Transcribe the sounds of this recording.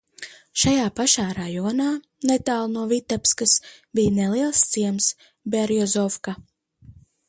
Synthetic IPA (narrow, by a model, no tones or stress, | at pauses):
ʃajaːpaʃaːɾajɔːnaː | nɛt̪aːlˠnuɔvit̪apskasbijnɛlˠiɛlˠst̪siɛms | bɛɾjɔzɔfka